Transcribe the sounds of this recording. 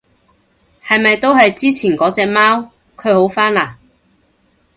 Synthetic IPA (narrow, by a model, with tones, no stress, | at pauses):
hɐ˨jmɐ˨jt̪o˥wɦɐ˨jt͡siː˥t͡sʰiː˨˩nkɔː˨˥t͡sɛː˨k̚maː˥w | kʰɵ˨˧ɥho˨˥wfaː˥nlaː˨˩